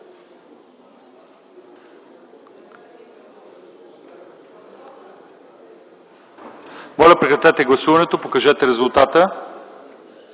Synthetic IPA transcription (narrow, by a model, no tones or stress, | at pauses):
mɔlʲɐpɾɛkɾɐt̪ɛt̪ɛɡlˠɐsuvɐnɛt̪opokɐʒɛt̪ɛɾɛzʊlˠt̪at̪ə